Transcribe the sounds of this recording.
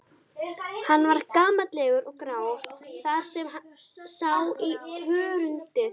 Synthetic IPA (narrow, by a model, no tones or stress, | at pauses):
hanːvaɾkaːmat̪lɛɣʏɾɔɣkɾaːwɾ̥θað̥sɛmsaːwihʏːɾʏnt̪ɪθ